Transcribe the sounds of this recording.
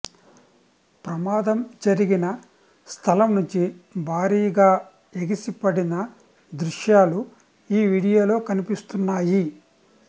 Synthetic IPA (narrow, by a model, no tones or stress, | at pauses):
pɾɐmaːd̪ɐmd͡ʒɐɾiɡinɐ | st̪ʰɐlɐmnuɲt͡ʃibʱaːɾiːɐɡaː | eɡisipɐɽinɐ | d̪ɾuʂjaːlu | iːʋiːɽijo̞ːlo̞ːkɐnipist̪unːaːji